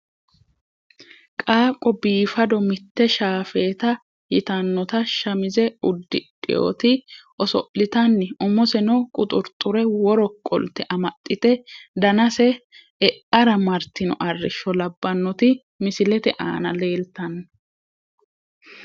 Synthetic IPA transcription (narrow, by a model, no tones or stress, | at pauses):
kʼaːkʼɔbiːfɐd̪ɔmɪt̪ːɛʃaːfeːt̪ɐ | jɪt̪ɐnːɔt̪ɐʃɐmɪzɛʊd̪ːɪ̰ᶑʼɪ̰jo̰ːt̪ɪʔɔsɔ̰ʔlɪt̪ɐnːɪʊmɔsɛnɔkʼʊt̪ʼʊɾt̪ʼːʊɾɛwɔɾɔkʼːɔ̰lt̪ɛʔɐmɐt̪ʼːɪt̪ɛd̪ɐnɐsɛ | ɛʔɐɾɐmɐɾt̪ɪnɔ̰ʔɐrːɪʃːɔlɐbːɐnːɔt̪ɪ | mɪsɪlɛt̪ɛʔa̰ːnɐle̞ːlt̪ɐnːɔ